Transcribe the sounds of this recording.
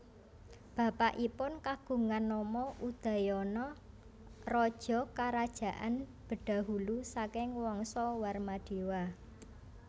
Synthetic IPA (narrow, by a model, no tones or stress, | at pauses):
b̥a̤paʔipʊnkaɡ̥ṳŋanːɔmɔʔud̪̥a̤jɔnɔ | rɔd̥ʒ̥ɔ̤kaɾad̥ʒ̥ä̤ʔa̰nb̥ə̤ɖ̥a̤ɦulusakɪŋwɔŋsɔwarmaɖ̪̥e̤wa